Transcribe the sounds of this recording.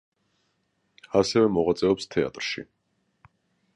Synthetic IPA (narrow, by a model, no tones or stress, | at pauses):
asɛvɛmɔʁat̪sʼɛɔpst̪ʰɛa̰t̪ʼɾʃḭ